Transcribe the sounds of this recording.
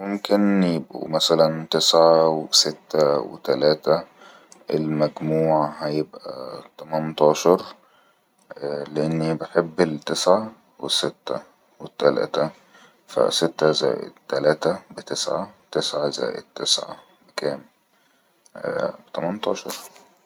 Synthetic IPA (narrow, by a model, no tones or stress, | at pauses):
momkɪnjebʔṵmæsælænt̪esʕaweset̪ːæwḛt̪ælæːt̪æ | ʔelmæɡmuːʕahæjebʔæ̰t̪ɑmænt̪ˤɑːʃɑɾˤ | leʔenːibeħebːelt̪esʕa | wesːet̪ːæ | wet̪ːælæ̰ːt̪æ | fæ̰set̪ːæzæ̰ːjḛd̪t̪ːælæːt̪æbet̪esʕawt̪esʕazæ̰ːjḛd̪̚t̪ːesʕa̰ | bekæːm | bt̪æmænt̪ˤɑːʃɑɾˤ